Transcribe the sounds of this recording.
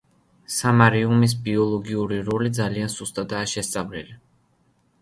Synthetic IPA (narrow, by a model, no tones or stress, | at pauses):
samaɾiumis̬biɔlˠɔɡiuɾiɾɔlid̪zalianz̥ust̪ʼad̪aːʃɛst̪sʼavlili